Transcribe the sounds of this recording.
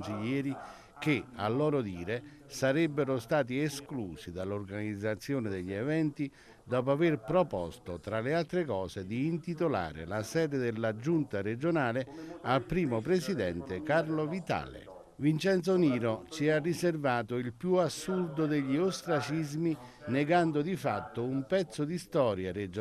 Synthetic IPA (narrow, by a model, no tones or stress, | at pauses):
nsiʎːɛːɾi | k̟ea̰lːɔːɾʊd̪iːɾe | saɾɛbːeɾʊst̪aːt̪̬ieskluːsid̪alːʊrɡanid̪zːat̪sːjoːnɪd̪eʎːiɛvɛnt̪i | d̪ɔːpoaverpɾopɔ̰st̪ot̪ɾalealt̪ɾekɔːsed̪iːnt̪it̪ola̰ːɾɪ̰lasɛːd̪ed̪ɪlːad͡ʒunt̪aɾed͡ʒonaːlealpɾiːmopɾesid̪ɛnt̪ɪkarlovit̪a̰ːlɪ̰ | vint͡ʃɛnt̪soniːɾot͡ʃiarːiservaːt̪ʊilpjuasːurd̪ʊd̪eʎːiost̪ɾat͡ʃizminɛɡand̪ʊd̪ifa̰t̪ːʊumpɛt̪sːʊd̪ist̪ɔːɾjared͡ʒ